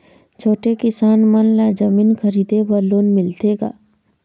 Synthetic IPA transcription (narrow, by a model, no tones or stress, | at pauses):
t͡ʃʰoːʈekɪsaːnmənlaːd͡ʒəmiːnkʰəɾiːd̪ebəɾloːnmɪlt̪eɡa̰ː